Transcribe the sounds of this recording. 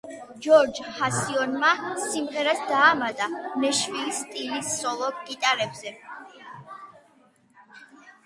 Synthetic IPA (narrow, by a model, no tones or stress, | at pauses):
d͡ʒɔɾd͡ʒhasiɔnmasimʁɛɾasd̪aːmad̪ʼanɛʃvist̪ʼilisːɔlˠɔɡ̥it̪ʼaɾɛbzɛ